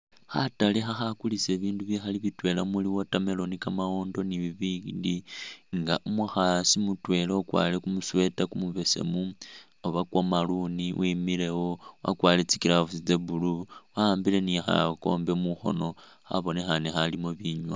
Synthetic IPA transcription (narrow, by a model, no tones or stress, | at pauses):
xa̰talexaxakulise̞βiːnduβjexaliβitwe̞lamuliwotame̞lo̞nikamaoːndo̞niβiβiːndiŋɡa̰ʔomwexasimutwe̞leokwa̰ːlekumuswe̞takumuβe̞sḛmu | oβakwomaluniwʔimile̞wowa̰kwaːlet͡sikilafut͡sid͡zebuluwaːmbile̞nixa̰ko̞̰ːmbe̞muxo̞̰no̞ | xa̰βo̞nexanexalimoβiɲwa